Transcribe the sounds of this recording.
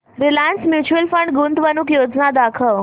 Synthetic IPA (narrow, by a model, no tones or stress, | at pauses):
ɾilansmjuːt͡ɕuəlfəɳɖɡunt̪ʋənukjod͡znad̪akʰəʋ